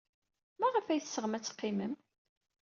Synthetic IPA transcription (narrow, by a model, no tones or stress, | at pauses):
mæʁəfæjθsəʁəmæt͡sːə̥qːiməm